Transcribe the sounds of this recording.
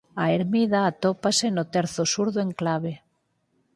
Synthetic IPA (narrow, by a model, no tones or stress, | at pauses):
aeɾmiðaːt̪opasenot̪eɾθosuɾðoeŋklaβ̞e